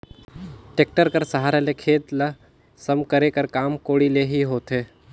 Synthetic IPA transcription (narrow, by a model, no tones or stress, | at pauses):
ʈeːk̚ʈəɾkəɾsəɦaːɾelekʰeːt̪lɐ | sɐmkɐɾekəɾkaːmkoːɽileɦiɦoːt̪eː